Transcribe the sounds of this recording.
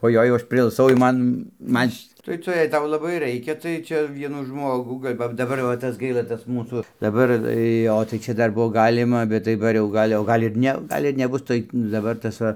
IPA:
oːˈjoːɪ jɛʊ ˈɐʃ pʲrʲɪɪlˠˈsɐʊ jɛʊ ˈmɐn ˈmɐnʲ ʃʲ tɐɪ ˈtʊ jɛɪ ˈtɐʊ lˠɐˈbɐɪ ˈrɐɪkʲɛ tɐɪ ˈt͡ʃʲɛ ˈʋʲiɛnuː ˈʒmoːɡuː ɡɐlʲ ˈʋɐ dɐˈbɐr ʋɐ ˈtɐs ˈɡɐɪlˠɐ ˈtɐs ˈmuːsuː dɐˈbɐr ˈjoː tɐɪ ˈt͡ʃʲɛ ˈdɐr ˈbuɔ ˈɡɑːlʲɪmɐ bʲɛt dɐˈbɐr jɛʊ ˈɡɐlʲ oː ˈɡɐlʲ ɪr ˈnʲɛ oː ˈɡɐlʲ ɪr nʲɛˈbʊs tɐɪ dɐˈbɐr tɐs ˈʋɐ

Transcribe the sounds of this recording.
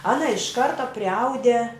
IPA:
ˈɑːnɐ ɪʃ ˈkɐrtɐ pʲrʲɪˈɐʊdʲɛ

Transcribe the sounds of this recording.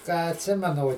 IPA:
kɑː ɐtʲˈsʲɪmʲɛnʊ oː

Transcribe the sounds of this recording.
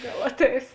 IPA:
ˈɡɐlˠ ˈɑːtʲˌɛɪs

